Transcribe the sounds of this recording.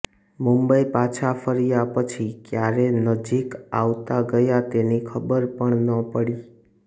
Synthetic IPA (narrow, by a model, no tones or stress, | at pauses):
mumbəipat͡ʃʰafʰəɾijapət͡ʃʰikjaɾenəd͡ʒika̰ʋt̪aɡəjat̪enikʰəbəɾpəɳnəpəɽi